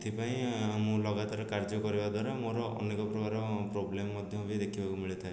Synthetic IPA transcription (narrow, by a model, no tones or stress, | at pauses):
t̪ʰipaĩamũlɔɡat̪aɾkaɾd͡ʒɔkɔɾibad̪ʱwaɾamoɾɔɔ̰nekɔpɾɔkaɾɔpɾoblemɔːɔd̪ʱjɔɦobid̪ekʰibakumiɭit̪ʰae